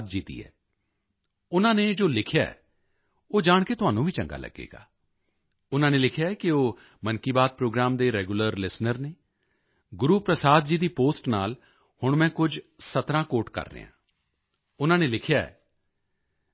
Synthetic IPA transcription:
d̪̚d͡ʒiːd̪ḭːɛ̰ː | ʊnãːneːd͡ʒoːlɪkʰjaːɛ̰ː | oːd͡ʒaːɳket̪ʊɦaːnũːʋʱiːt͡ʃə̰ŋɡa̰ːlə̰ɡːḛːɡa̰ː | ʊnãːneːlɪkʰjaːɛːkɪoː | mənkiːbaːd̪̚pɾoːɡɾaːmd̪eːɾɛːɡuləɾlɪsnəɾneː | ɡʊɾuːpɾəsaːd̪̚d͡ʒiːd̪iːpoːsʈnaːl | hʊɳmɛ̃ːkʊd͡ʒsət̪ɾãːkoːʈkə̰ɾːə̰ːã̰ː | ʊnãːneːlɪkʰjaːɛ̰ː

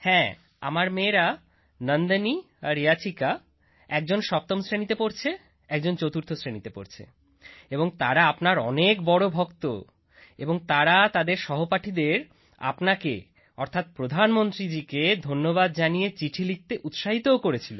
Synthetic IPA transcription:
hɛ̃ | a̰maɾmeːɾa | nənd̪əni | aɾiat͡ɕʰika | ɛk̚d͡ʑonʃɔp̚t̪omsɾenit̪epoɾt͡ɕʰe | ɛk̚d͡ʑont͡ɕot̪uɾt̪ʰosɾenit̪epo̰ɾt͡ɕʰḛ | eboŋt̪aɾaapnaɾɔnek̚bɔɽobʱokt̪o̰ | eboŋt̪aɾat̪ad̪eɾʃɔɦopaʈʰid̪eɾ | a̰pnake | ɔɾt̪ʰat̪̚pɾod̪ʱanmont̪ɾid͡ʑiked̪ʱonːoβad̪̚d͡ʑanijet͡ɕiʈʰilik̚t̪eʔut̪ʃaɦit̪ookoɾet͡ɕʰilo̰

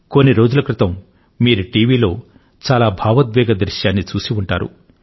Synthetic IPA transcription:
konːiɾo̞ːd͡ʒulɐkɾit̪ɐm | miːɾuʈiːʋiːlo̞ː | t͡ʃaːlaːbʱaːʋɐt̪ʋɛːɡɐd̪ɾiʃjaːnːit͡ʃuːsiuɳʈa̰ːɾṵ

